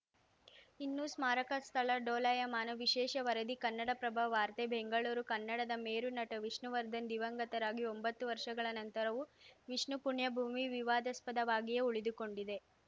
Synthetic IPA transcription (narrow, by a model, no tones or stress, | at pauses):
inːusmaːɾɐkɐst̪ʰɐɭɐɖoːlɐjɐmaːnɐʋiʃɛːʃɐʋɐɾɐd̪ikɐnːɐɽɐpɾɐbʱɐʋaːɾt̪ebeŋɡɐɭuːɾukɐnːɐɽɐd̪ɐmeːɾunɐʈɐʋiʂɳuʋɐɾd̪ʱɐnd̪iʋɐŋɡɐt̪ɐɾaːɡio̞mbɐt̪ːuʋɐɾʂɐɡɐɭɐnɐnt̪ɐɾɐʋuʋiʂɳupuɳjɐbʱuːmiʋiʋaːd̪ɐspɐd̪ɐʋaːɡijeuɭid̪uko̞ɳɖid̪e̞